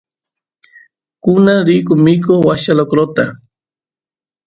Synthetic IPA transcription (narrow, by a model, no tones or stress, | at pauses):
kʊnaɾikʊmikowaʃalokɾot̪a